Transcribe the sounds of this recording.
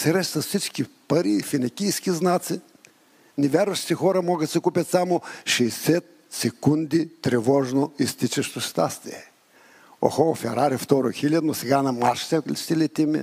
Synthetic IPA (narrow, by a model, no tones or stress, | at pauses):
sɛɾɛʃt̪vɐfsit͡ʃkʲipɐɾifinɐkʲijskʲiznat̪si | nɛvʲaɾvɐʃt̪i̥t̪ixɔɾɐmɔɡət̪sɛkupʲɐt̪samoʃɛːsɛt̪̚ | sɛkund̪it̪ɾɛvɔʒnoist̪it͡ʃɛʃt̪ost̪a̰st̪ḭɛ | o̰xofɛɾaɾift̪ɔɾoxilʲad̪nosɛɡanɐmaɾʃt̪ɛklʲʃt̪ɛlʲɛt̪ʲimɛ̰